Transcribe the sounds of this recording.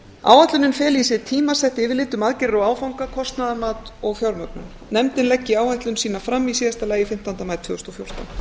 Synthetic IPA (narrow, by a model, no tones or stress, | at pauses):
a̰ːwajt̪lʏnɪnfɛːliːsɪt̪ʰiːmasɛht̪ɪvɪðlɪːt̪ːʏmaðcɪɾɾɔaːwfawŋkakʰɔst̪naðamaːt̪ɔɣfjɔwɾmœk̚nʏm | nɛmt̪ɪnlɛcːɪaːwajht̪lʏnsiːnafɾamːisiːðast̪alaːjɪfɪm̥t̪ant̪amaːɾt̪ʰvʏːðʏst̪ɔfjowr̥t̪a̰